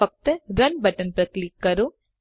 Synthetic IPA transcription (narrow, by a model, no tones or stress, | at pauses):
ɐk̚t̪ɾɐnbɐʈənpɾɐklikːɐɾo